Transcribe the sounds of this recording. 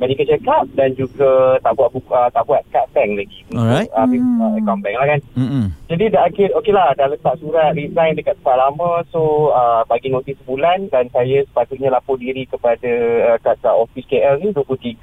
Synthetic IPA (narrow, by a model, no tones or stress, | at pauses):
məɾikət͡ʃəkap̚dand͡ʒuɡət̪aʔbuaʔ̪̚buət̪aʔbuat̪̚kat̪ɛŋlaɡiuuəpeaəkɔmbɛŋlahkand͡ʒadidaʔakɪt̪okelahdalət̪aʔ̚suɾat̪̚ɾizajndəkat̪̚sə̥pat̪̚lamə̃soəbaɡinõt̪ihsəbulandansajəsə̥pat̪ʊʔ̪̚ɲə̃lapʊʔ̚diɾikəpadəəkat̪aʔɔfiskeʔɛlnĩduəput̪iɡə